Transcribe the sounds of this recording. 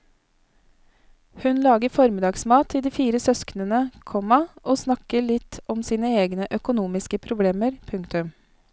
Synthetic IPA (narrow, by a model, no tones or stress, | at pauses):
hʉnlɑːɡəfɔɾmɪd̪ɑːɡsmɑːt̪ʰiːd̪iːfiːɾəsœsknənəkʰɔmɑʔoːsnɑkəɭɪt̪ʰɔmsiːnəeːɡnəʔœkʊnuːmɪskəpʰɾʊbleːməɾpʰʉŋkt̪ʉm